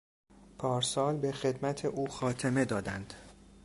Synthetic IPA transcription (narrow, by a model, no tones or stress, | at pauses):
pʰɒːɾsɒːlbexe̞d̪mæt̪ʰeʔuːxɒːt̪ʰeme̞d̪ɒːd̪ænd̪̥